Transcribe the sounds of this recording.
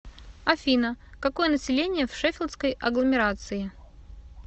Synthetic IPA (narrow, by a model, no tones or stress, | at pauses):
ɐfʲinəkɐko̞jənəsʲɪlʲenʲɪjəfʂɛfʲɪlʲˠskəjɐɡlˠəmʲɪɾat̪sɨɪ